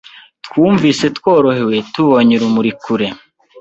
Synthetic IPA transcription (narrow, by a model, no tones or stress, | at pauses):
tkuːɱviːse̞tkwoːɾo̞he̞we̞tuβoɲiɾumuɾikuɾe̞